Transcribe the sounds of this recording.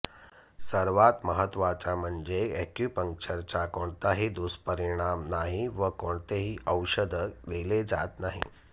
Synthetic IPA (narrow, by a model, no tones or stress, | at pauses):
səɾʋat̪məɦət̪ʋat͡ɕam̤əɳd͡zeekjupəŋk̚t͡ɕəɾt͡ɕakoɳt̪aɦid̪uspəɾiɽ̃amnaɦiʋəkoɳt̪eɦiːʔəwɕəd̪ʱəd̪eled͡zat̪naɦḭ